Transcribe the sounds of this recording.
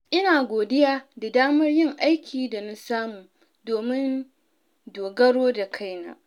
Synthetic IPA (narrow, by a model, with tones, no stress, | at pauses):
ʔɪ˦naː˨ɡʷoː˨dɪ˦jaː˦da˨daː˦mɐ˦rjɪ˦ŋʔa˦jkʲʰiː˨da˨na˦saː˦muː˨ | doː˨mɪ˦n | doː˨ɡɐ˦ɽoː˦da˨kʰa˦˨jna̰˦